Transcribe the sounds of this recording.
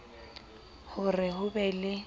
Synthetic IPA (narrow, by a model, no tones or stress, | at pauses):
hʊrɪhʊbɛlɪ